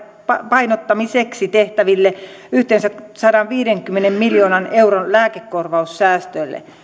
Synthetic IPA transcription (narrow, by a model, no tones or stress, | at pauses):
pɑpɑinot̪ːɑmiseksit̪eht̪æʋilːe | yht̪ensæksɑɾɑʋʋiːɾeŋkymːenemmiljoːnɑneuronlæːkekːorʋɑussæːst̪øilːḛ